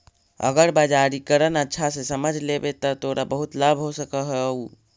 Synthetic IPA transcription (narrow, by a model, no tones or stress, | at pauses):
ə̰ɡəɾbad͡ʒaɾikəɾənətːʃʰasesəməd͡ʒʱlebet̪ɔt̪oɾʔabəɦut̪labʱɦosəkəɦɛu